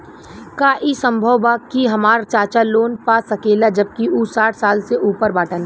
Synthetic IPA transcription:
kaːʔisɐ̃mbʱəwbaːkiɦɐmaːɾt͡ʃaːt͡ʃaloːnpaːsɐkeːlad͡ʒɐb̚kiuːsaːʈʰsaːlseʔuːpəɾbaːʈən

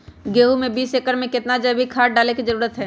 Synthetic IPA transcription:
ɡeːɦumẽbiːseːkəɾmẽkɪt̪nad͡ʒɐbʱikʰaːɖaːlekizɐɾuːɾət̪ɦɛː

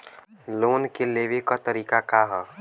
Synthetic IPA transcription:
loːnkelebekat̪əɾiːkakaɦɔ

